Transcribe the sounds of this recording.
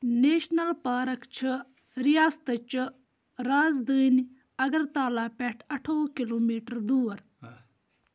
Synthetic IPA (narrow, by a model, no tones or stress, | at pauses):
neːʃnəlpaːɾəkt͡ʃʰ | ɾɪjaːst̪ət͡ʃ | ɾaːzd̪əːn | ɐɡəɾt̪aːlaːpɛːʈʰɐʈʰoːkɪloːmiːʈəɾd̪uːɾ